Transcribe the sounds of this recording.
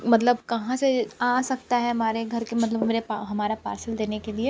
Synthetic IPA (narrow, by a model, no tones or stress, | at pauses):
mɐt̪̬ləb̚kɐɦãseasɐk̚t̪aɦɛɦɐmaːɾeɡʱɐɾkemɐt̪ləbɦɐmeːɾeaɦɐmaːɾapa̰ːɾsəld̪eːnekelie